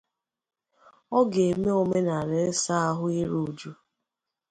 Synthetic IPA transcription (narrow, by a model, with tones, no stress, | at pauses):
ɔ˦ɡe˨me˦o˨me˦na˨ɾɪ˨˦sa˦a˦ɦʊ˦ɪ˦ɾu˨d͡ʒu˦